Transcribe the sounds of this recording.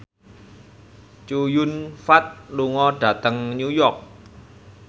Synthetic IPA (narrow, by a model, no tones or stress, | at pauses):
t͡ʃujunfat̪̚luŋɔɖ̥ä̤t̪əŋɲujɔrk̚